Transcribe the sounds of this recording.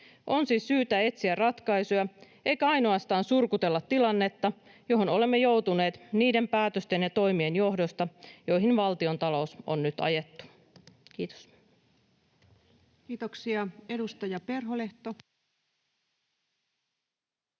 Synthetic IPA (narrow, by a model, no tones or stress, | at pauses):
ʔo̞nsiːsːyːt̪æe̞t̪siærrɑt̪kɑjsojɑ | ʔe̞jkæɑjno̞ɑst̪ɑːnsurkut̪e̞lːɑt̪ːilɑnːe̞t̪ːɑ | jo̞ɦono̞le̞mːejo̞wt̪une̞ːt̪niːde̞mpæːt̪øst̪e̞njɑt̪o̞jmienjo̞hdo̞st̪ɑjo̞jɦinʋɑlt̪io̞nt̪ɑlo̞uso̰nːyt̪ɑ̰je̞t̪ːu̥ | k̟iːt̪o̥s | kiːt̪oksiɑedust̪ɑjɑpe̞rɦoleht̪o